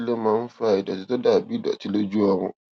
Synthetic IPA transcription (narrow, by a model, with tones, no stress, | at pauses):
le˦ma˦n˦fa˦˨ji˨da˨ti˨to˦da˨bi˦da̰˨ti˦le˦d͡ʒu˦ɔ˦ŋʊ̰˦